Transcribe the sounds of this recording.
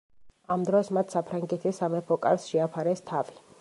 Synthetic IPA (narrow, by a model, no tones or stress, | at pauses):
amd̪ɾɔsmat̪ʰsapʰɾaŋɡɛt̪ʰisːamɛpʰɔkʼaɾsʃɛapʰaɾɛst̪ʰavi